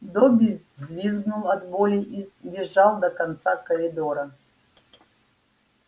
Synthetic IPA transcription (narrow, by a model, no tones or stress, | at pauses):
d̪ɔbʲi | zvʲizɡnulˠɐd̪bolʲiʔibʲɪʐːalˠd̪əkɐnt̪sakəɾʲɪd̪ɔɾə